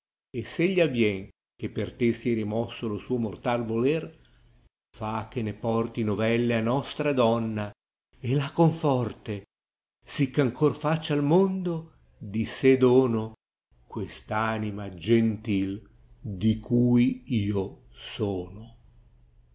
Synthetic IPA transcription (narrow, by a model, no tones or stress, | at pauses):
esːeʎːiavːjɛŋ | k̟epːert̪esiɛɾimɔsːolosuːomort̪alvolɛr | fak̟ːenepɔrt̪inovɛlːeanɔst̪ɾad̪ɔnːa | elakoɱfɔrt̪e | sikːaŋkorfat͡ʃːalmond̪o | d̪ised̪oːno | kwest̪aːnimad͡ʒent̪il | d̪ikʰuːjiːo | sɔːno